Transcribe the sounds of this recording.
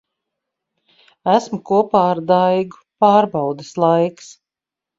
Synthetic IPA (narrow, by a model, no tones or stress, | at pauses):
æsmukuɔpaːɾd̪ajɡupaːɾbawd̪ɨslˠajks